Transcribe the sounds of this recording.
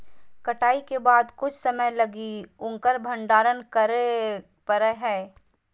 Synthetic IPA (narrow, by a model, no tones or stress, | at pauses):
kɐʈaːikebaːd̪kʊt͡ʃʰsɐməjlɐɡiʊ̃ŋkəɾbʱə̃ɳɖaːɾənkə | pəɾəɦɛː